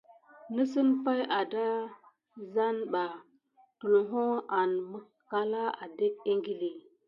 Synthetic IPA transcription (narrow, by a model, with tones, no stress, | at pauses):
nə˦sə˦npa˦ja˨da˦ | za˦nɓa˨ | tu˨lɦo˦a˨nmə˦ | ka˨la˦a̰˨de˦k̚e˦ŋɡi˦li˨